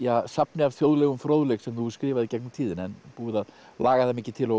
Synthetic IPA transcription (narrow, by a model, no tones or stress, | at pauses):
jasapnɪavθjowðlɛːɣʏmfɾowðʏlɛɣsɛmθuskɾɪːvaðɪcɛjknʏmt̪ʰiːðɪnɛnpuːɪðaðlaːɣaθɛmːɪcːɪt̪ʰɪlɔ